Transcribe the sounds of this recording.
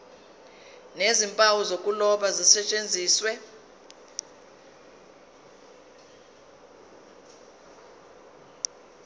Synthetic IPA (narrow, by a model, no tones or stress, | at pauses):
nezimpʼawuzokʼulɔɓazisɛt͡ʃʼend͡zʱiːswɛ